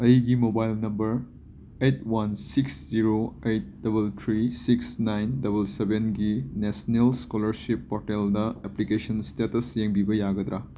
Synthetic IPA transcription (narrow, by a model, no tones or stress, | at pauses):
ɐjɡimobajlnɐmbɐɾ | ejtwansiksz̥iɾoejt̚dɐbɐltʰɾisiksnajndɐbɐlsebenɡinesnelskolɐɾsipːɔɾteldɐeplikesʰɐnstetɐsjeŋbibɐjaɡɐd̪ɾa